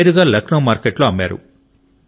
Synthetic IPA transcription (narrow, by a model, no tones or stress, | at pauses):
ɾuɡaːlɐknoːmaːɾkeʈloɐmːaːɾṵ